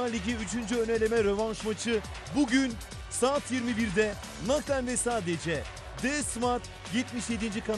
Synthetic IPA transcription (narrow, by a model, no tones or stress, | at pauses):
alʲiɟiyt͡ʃʰynd͡ʒyø̞nelʲe̞mɛɾevanʃmat͡ʃʰɯ | buɟyn | saːt̪ʰjiɾmibiɾd̪ɛ | nak̪ænvɛsaːd̪ed͡ʒɛ | d̪ɛsmaɾt̪ | jɛt̪miʃjed̪ind͡ʒikʰan